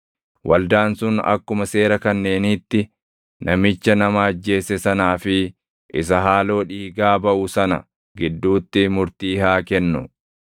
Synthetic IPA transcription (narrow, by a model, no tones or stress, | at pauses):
wʔɐ̰ld̪aːnsʊnɐ̰kːʊmɐse̞ːɾɐkɐnːe̞ːniːt̪ːɪ | nʔɐmɪt͡ʃːɐnɐmaɐd͡ʒːe̞ːsɛsɐnaːfɪ | ʔɪs̬ɐɦaːlo̞ːᶑiːɡaːbɐʔʊsɐnɐ̰ | ɡɪd̪ːuːt̪ːɪmʊɾt̪iːhaːkɛnːʊ̰